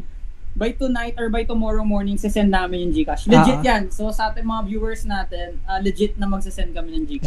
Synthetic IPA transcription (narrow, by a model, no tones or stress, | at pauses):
bajt̪ʊnajt̪̚ʔɔɹbɐjt̪ʊmɔːɹomɔɹnɪŋsɪsɛnd̪naːmɪnjʊŋd͡ʒiːkɐslɪd͡ʒɪt̪̚jansosɐʔaːt̪ɪnmɐŋavjuːwɛɹsnaːt̪ɛnʔaːlɛd͡ʒɪt̪̚nɐmɐɡ̚sɪsɛnd̪̚kɐmɪnjɐŋd͡ʒiːkɐ